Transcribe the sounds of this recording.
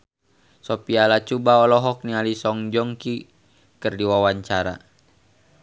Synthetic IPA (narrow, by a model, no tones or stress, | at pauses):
sɔpialat͡ʃubaɔlɔɦɔk̚nialisɔŋd͡ʒɔŋki | kɨrdiwawaɲt͡ʃaɾa̰